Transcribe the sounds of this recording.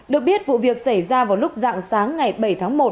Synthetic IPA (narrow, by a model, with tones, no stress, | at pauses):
ɗɨ˨˩ək̚ɓi˦˥ət̚vṵ˧˨vi˨˩ək̚sa˧˩jzaː˧vaː˨˩wlʊ˦˥k͡p̚za̰ː˧˨ŋsaː˨˦ŋːa˨˩jɓə˧˩jt̪ʰaː˨˦ŋmo˨˩t̚